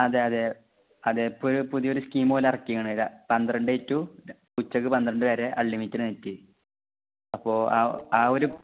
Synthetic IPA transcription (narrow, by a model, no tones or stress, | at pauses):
ɐðeɐðe | ɐðepːoɾupuðijo̞ɾuskiːmoːlɐrɐkːijɐɳɐiðɐpɐnd̪irɐɳɖɨitːu | kut͡ɕːɐkːɨpɐnd̪ɐɾɐɳɖɨʋeːɾe̞ʔɐɭːimitːinɨnetːi | ɐpːo̞ːa̰aːo̞ɾu